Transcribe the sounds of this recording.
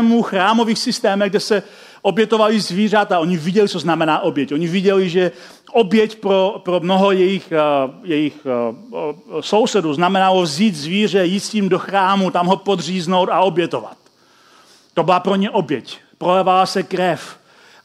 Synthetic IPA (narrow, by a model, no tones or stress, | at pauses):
muxɾaːmo̞viːxsɪst̪ɛːmɛɡ̚dɛsɛ | ʔo̞bjɛt̪o̞valizviːr̝at̪aʔo̞ɲivɪɟɛlit͡soznamɛnaːʔo̞bjɛco̞ɲivɪɟɛliʒɛ | ʔobjɛcpɾopɾomnoɦojɛjɪxjɛjɪx | so̞wsɛduznamɛnalovziːt̪zviːr̝ɛjiːt̪sciːmdoxɾaːmut̪amɦopod̪r̝iːznowt̪ao̞bjɛt̪ova̰t̪̚ː | obɪlapɾoɲɛʔo̞bjɛc | pɾolɛvalasɛkɾɛf